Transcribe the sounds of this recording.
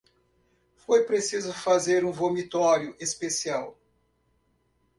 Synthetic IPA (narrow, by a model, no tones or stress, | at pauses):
fojpɾesizʊfazeɾũvomit̪ɔɾjʊʔespesiaw